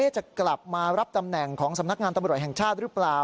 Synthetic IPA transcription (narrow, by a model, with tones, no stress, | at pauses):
eː˥˩t͡ɕa˨˩kla˨˩p̚maː˧ɾa˦˥p̚t̪a˧mnɛ˨˩ŋkʰɔː˩˦ŋsa˩˦mna˦˥k̚ŋaː˧nt̪a˧mɾu˨˩t̪̚hɛ˨˩ŋt͡ɕʰaː˥˩t̪̚ɾɯː˦˥plaː˨˩